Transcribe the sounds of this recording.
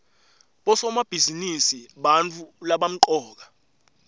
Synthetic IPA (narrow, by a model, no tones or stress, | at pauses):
ɓɔsɔmab̥ʱizinisiɓant͡fʰulaɓam̩ǃɔːk̬ḁ